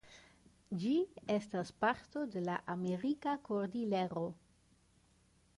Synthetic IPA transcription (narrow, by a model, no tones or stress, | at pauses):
d͡ʒie̞staspaɾto̞de̞laʔame̞ɾikakoɾdileɾo̞